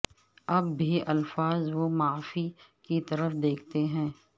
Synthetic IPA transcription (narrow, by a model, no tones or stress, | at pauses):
ɐbbʱiɐlfaːzʋomaːfikit̪ɐɾəfd̪eːkʰt̪eɦɛ̃ː